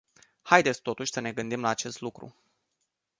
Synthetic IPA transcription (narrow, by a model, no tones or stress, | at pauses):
hajd̪esʲt̪o̞t̪uʃʲsəne̞ɡɨnd̪imlaːt͡ʃe̞st̪lukɾṵ